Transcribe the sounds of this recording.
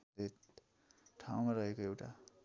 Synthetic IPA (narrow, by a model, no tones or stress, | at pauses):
det̪ | ʈʰaw̃maɾʌɦekoewʈa